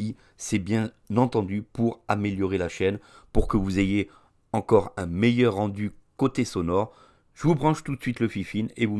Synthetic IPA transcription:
i | sɛbjɛ̃ | nɑ̃t̪ɑ̃d̪ypuʁameljɔʁelaʃɛn | puʁkəvuzeje | ɑ̃kɔʁɛ̃mejœʁːɑ̃d̪ykot̪esɔnɔʁ | ʒ̥əvubʁɑ̃ʃt̪ut̪əsɥit̪ləfifinevu

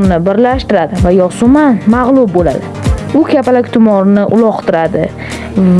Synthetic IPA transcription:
nɪbɪɾlaʃt̪ɪɾad̪ɪvajɒsʊmanmaʁlˠʊb̚bola̰d̪ɪ | ʊkʲʰapalakʲt̪ʰʊmɒɾnɪʔʊlˠɒqt̪ʰɪɾad̪ɪ

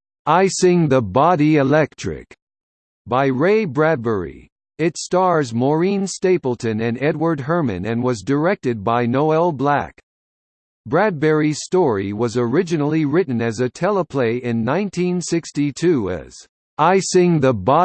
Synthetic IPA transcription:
aɪsɪ̃ŋðəbɑɾiɨlɛk̚tʰɹ̥ɪ̰k | b̥aɪɹeɪbɹæd̚bɛɹḭ | ɪtstɑɹzmɔɹĩnsteɪpl̩ˠtʰɨ̃nɨ̃nɛd̚wə˞d̚ɦɜ˞mɨ̰̃nɨ̃nwʌzdə˞ɛk̚tɨd̚baɪnoʊɛlˠblæ̰k | b̥ɹæd̚bɛɹiz̥stɔɹiwʌzə˞ɪd͡ʒɨnl̩ˠiɹɪʔn̩ɨzɨtʰɛlˠəpʰl̥eɪʔɪ̃nːãɪ̃ntʰĩnsɪkstitʰʉɨ̰z̥ | aɪsɪ̃ŋðəbɑ

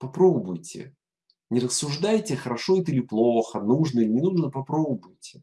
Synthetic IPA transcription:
pɐpɾobbʊjtʲɪ̰ | nʲɪɾəsːʊʐd̪ajtʲɪxəɾɐʂo̞ɛt̪̬əilʲɪplˠoxənuʐnəilʲɪnʲɪnuʐnəpɐpɾobəbʊjtʲɪ̥

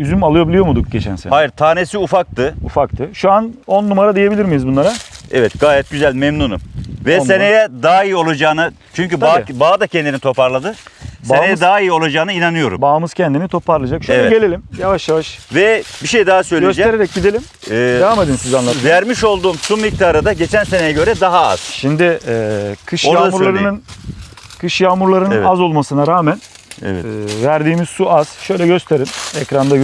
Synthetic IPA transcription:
yzymalˠɯjobilʲijo̞mud̪uk̚ɟet͡ʃʰæ̰nsḛhajiɾt̪ʰaːne̞siufak̚t̪ʰɯufakt̪ʰɯʃuanonːumaɾad̪ije̞bilʲiɾmijizbunlˠaɾaɛvɛt̪ɡaːjɛt̪̚ɟyzælʲmɛmnuːnṵvɛenejɛd̪aːijio̞lˠad͡ʒaːnɯ | t͡ʃʰyɲcyb̪abaad̪acʰɛnd̪init̪ʰo̞paɾlˠad̪ɯseejɛd̪aːijio̞lˠad͡ʒaːnɯinanɯjo̞ɾṵmbaːmɯz̥cʰɛnd̪init̪ʰo̞pʰaɾlˠad͡ʒakʃeɛɟelʲelʲimjavaʃjavaʃvɛbiʃejd̪aɦasø̞jløsd͡ʒ̪e̞ɾeɾɛc̚ɟid̪elʲim | ɛaamad̪ɯnsizanlˠavæɾmiʃo̞lˠd̪uːmsumic̚t̪ʰaːɾɯd̪aɟe̞t͡ʃʰænsenejɛɟø̞ɾɛd̪aɦaa̰z̥ʃimd̪ɪ | kʰɯʃjamuɾllˠaɾɯnɯn | kʰɯʃjaːmuɾlˠaɾɯnɯnazo̞lˠmasɯnaɾaːmæn | ɛ̰vɛ̰væɾd̪iːmiz̥suaz̥ʃø̞jlʲɛɟø̞st̪ʰe̞ɾinɛcɾand̪aj

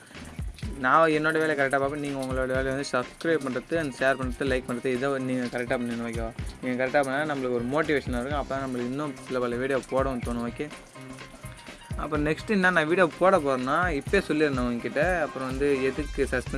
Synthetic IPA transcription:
nãːɛnːoːɽɐʋeːlɐjkɐɾɛk̚ʈːaːpaːpːɐ̃niːŋɡɐʊŋɡɐɭoːɽɐʋeːlɛʋɐnd̪ɯsɐbskɾɐːpɐɳɾɐt̪ːɯseːɾpɐɳɾɐt̪ːɯlɐɪk̚pɐɳɖɾɐt̪ːɯɪðɐniːŋɡɐkɐɾɛk̚ʈːaːpɐɳːɪnːʋaːkːɐaniːŋɡɐkɐɾɛk̚ʈːaːpɐɳːnːaːnɐmːɐɭɯkːɔɾɯmoːʈ̬ɪʋeːʂɐnaːɐɾɯkɡɐ̃ɐpːoːðãːnɐmːɐɭɯkːɪnːõpɪlɐpaːlɐʋiːɽijoːpoːɽɐ̃t̪oːnɯʋaːkːẽ | ɐ̰pːɾɔ̃nɛksʈɐnːaːnãːʋiːɽijoːpoːɽɐpoːɾɐnːaːɪpːeːsɔlːɪɾɯnd̪ɐɐŋɡɐkɪʈːɐɐpːɯɾɔ̃ʋɐnd̪ɯɛðɯkːɯsɐspɛ

